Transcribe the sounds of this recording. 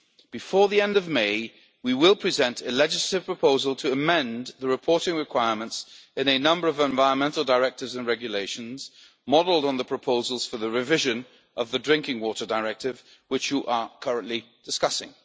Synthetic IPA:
b̥ɨfɔɹðiɛ̃ndʌvmeɪ | wiwɪlˠpʰɹ̥ɨzɛ̃ntʰɨlɛd͡ʒɨsləɾɨv̥pʰɹ̥əpʰoʊzəlˠtʰɨːmɛ̃nðəɹɨpʰɔɹɾɪ̃ŋɹɨkʰw̥aɪəmə̃ntsɨ̃nɨnʌ̃mbə˞ʌvə̃ɱvaɪɹə̃nmɛ̃ntˡl̩ˠdəɹɛk̚tɨvzɨ̃nɹɛɡjɨleɪʃɨ̃n̩z̥ | mɑdl̩ˠdn̩ðəpʰɹ̥əpʰoʊzl̩ˠz̥fə˞ðɨɹɨvɪʒɨ̃n | ʔʌvðɨdɹɪ̃ŋkɪ̃ŋwɔɾə˞dəɹɛk̚tɨvwɨt͡ʃjəʔə˞kʰʌɹɨ̃nʔli | d̥ɨskʌsɪ̰̃ŋ

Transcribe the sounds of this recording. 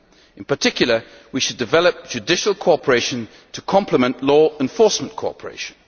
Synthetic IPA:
ɪ̃npətʰɪkʰjl̩ˠə | wiʃədɨvɛlˠəp̚d̥ʒ̥ɨdɪʃəlˠkʰoɔpʰəɹeɪʃə̃n | tʰəkʰɒ̃mpʰləmə̃nʔlɔːɛ̃ɱfɔˑsmə̃nkʰoɒ̰pʰəɹḛɪʃə̃n̩

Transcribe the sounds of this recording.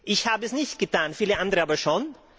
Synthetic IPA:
ʔɪçhaːbəəsnɪçt̪̚ɡ̥ət̪ʰaːnfiːləʔãnd̪ɾəɑːbəʂɔn

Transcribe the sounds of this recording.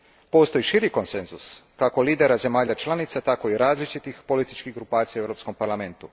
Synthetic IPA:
po̞st̪o̞iʃiɾiko̞nse̞nzuskakoliːd̪e̞ɾaze̞maːʎat͡ʃlˠanit̪sat̪ako̞iɾaːzlit͡ʃit̪ixpo̞lit̪i̥t͡ʃkiɡɾupaːt̪sijawevɾo̞ːpsko̞mpaɾlˠame̞nt̪u

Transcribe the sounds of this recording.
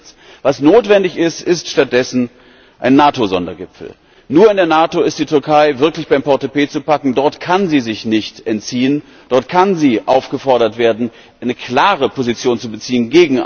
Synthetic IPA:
vasnoːtv̥ɛndɪçɪstɪstʃtat̚d̥ɛsn̩ | ʔaɪnːaːtozɔndɐ̰ɡɪpfl̩ | nuːɐɪndeːɐnaːtoɪstd̥iːtʰʏɐkʰaɪvɪɐklɪçb̥aɪmpʰɔtepeːt͡supakŋ̩dɔɐtkʰanziːzɪçnɪçtʔɛntt͡siːən | d̥ɔɐtkʰanziːʔaʊfɡ̥əfɔɐɾɐtv̥eːɐdn̩ | ʔaɪnəkl̥aːʁəpʰozit͡sjoːnt͡subət͡siːənɡeːɡŋ̩

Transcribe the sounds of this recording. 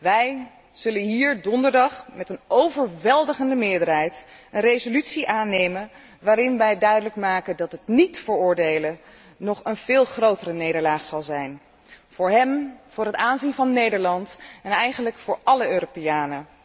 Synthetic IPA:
ʋɛj | z̥ɵlənɦiːɹdɔndəɹdɑχmɛtənowvəɹʋɛlˠdəχəndəmɪːɹdəɹɦɛjtənrejzolytsiʔaːnejmən | ʋaːɾɪnʋɛjdœɥdələkmaːkəndɑtɦətnitfəɹʊːɹdejlə | nɔχənv̥ɪːlˠχrowtərənejdəɹlaːχsɑlˠzɛjn | v̥ʊːɹɦɛmv̥ʊːɹɦətaːnzinvɑnːejdəɹlɑntɛnɛjχənləkfʊːɹʔɑləøːropejaːnə

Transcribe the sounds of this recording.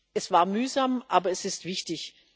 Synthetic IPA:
ʔɛsv̥aːɐmyːzamʔaːbɐɛsɪstv̥ɪçtɪç

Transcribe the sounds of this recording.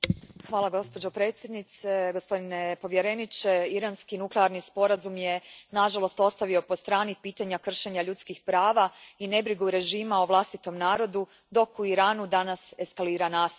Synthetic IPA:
xʋaːlˠaɡo̞spod͡ʑo̞pɾe̞ːt̪sje̞d̪nit̪se̞ɡo̞spo̞d̪inepo̞ʋje̞ɾe̞nit͡ʃeiɾanskinukleaɾnispo̞ɾazumjenaʒalˠo̞st̪o̞st̪aʋio̞post̪ɾaːnipiːt̪aɲakr̩ʃe̞ɲaʎut̪skixpɾaːʋaine̞bɾiɡuɾe̞ʒiːmaoʋlˠast̪it̪o̞mnaːɾo̞d̪u | d̪o̞kuiɾaːnud̪anase̞skaliːɾanaːs

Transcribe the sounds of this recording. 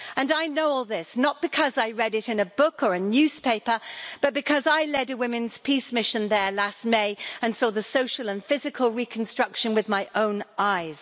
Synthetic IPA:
ə̃naɪnoʊɔlˠðɪsnət̚b̥ɨkʰʌzaɪɹɛɾɨɾɨ̃nɨbʊkə˞ɨnjʉz̥pʰeɪpə˞b̥ʌt̚b̥ɨkʰʌzaɪlɛɾɨwɪ̃mɨ̃nz̥pʰismɪʃɨ̃nðə˞last̚meɪɨ̃nsɔðɨsoʊʃəl̩ˠə̃nfɪzɨkʰəlˠɹikʰn̩stɹ̥ʌkʃɨ̃nwɨðmaɪʔõʊ̃nʔaɪz̥

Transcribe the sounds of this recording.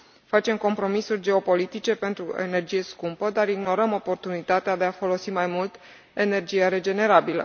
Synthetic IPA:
fat͡ʃe̞mko̞mpɾo̞misurʲd͡ʒe̞o̞po̞lit̪it͡ʃe̞pe̞nt̪ɾue̞̰ne̞rd͡ʒije̞skumpəd̪aɾiɡno̞ɾəmo̞po̞rt̪unit̪at̪ead̪e̞afo̞lo̞simajmult̪ | e̞ne̞rd͡ʒijaɾe̞d͡ʒe̞ne̞ɾabilə̰

